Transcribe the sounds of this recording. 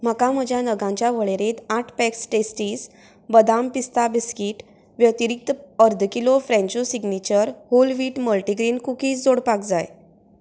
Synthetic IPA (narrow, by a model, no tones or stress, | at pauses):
m̤əkam̤əd͡ʑʱjanəɡãɲt͡ɕjaʋəɭeɾet̪aʈʰpɛksʈesʈiːs | bəd̪ampist̪abiskiːʈ | ʋjət̪iɾik̚t̪əɾd̪ʱkilofɾɛ̃ɲt͡ɕosiɡnit͡ɕəɾholʋiːʈməlʈiɡɾiːnkukiːd͡zoɽpak̚d͡zaj